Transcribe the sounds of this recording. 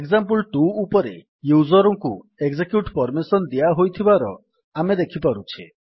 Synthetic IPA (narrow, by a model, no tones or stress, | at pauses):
eɡzampɔlʈuːpɔɾḛ | juzɔɾɔŋku | eɡzekjuʈpɔɾmisɔnd̪iaɦojt̪ʰibaɾɔ | amed̪ekʰipaɾut͡ʃʰi